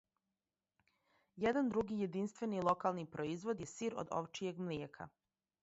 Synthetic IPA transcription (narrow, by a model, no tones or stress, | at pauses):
jed̪and̪ɾuɡije̞d̪inst̪ʋe̞nilˠo̞kalˠnipɾoizʋod̪jesiːɾo̰d̪o̰ʋt͡ʃije̞ɡmljekʰa̰